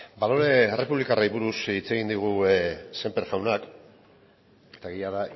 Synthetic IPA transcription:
balo̞ɾe̞ere̞puβlikaraiβuɾusit͡se̞ɣind̪iɣ̞use̞mpeɾʝawnak | et̪aɣijaða

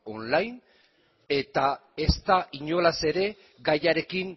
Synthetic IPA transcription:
o̞nlajn | e̞t̪ae̞st̪aʔiɲo̞lase̞ɾe̞ | ɡajaɾe̞kiŋ

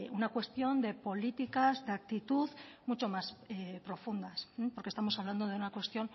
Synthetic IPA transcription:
unakwe̞st̪jo̞nd̪e̞po̞lit̪ikazðeak̚t̪it̪uðmut͡ʃo̞masepɾo̞fund̪as̩poɾkest̪amo̞saβland̪o̞ð̞e̞unakwe̞st̪jo̞n

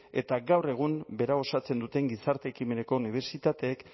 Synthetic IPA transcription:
e̞̰t̪aɡawre̞ɣ̞umbe̞ɾao̞sat͡se̞nd̪ut̪e̞ŋɡisaɾt̪eːkime̞ne̞ko̞uniβ̞e̞ɾsit̪at̪e̞ːk

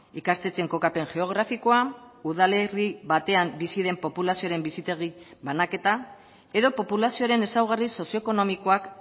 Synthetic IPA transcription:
ikast̪e̞t͡se̞ŋko̞kape̞ŋʝe̞o̞ɣ̞ɾafiko̞auðale̞riβat̪e̞ambisið̞e̞mpo̞pulasioaɾe̞mbisit̪e̞ɣ̞iβanake̞t̪a | e̞ðo̞po̞pulasioaɾe̞ne̞sawɣ̞ariso̞sjoekono̞miko̞ak

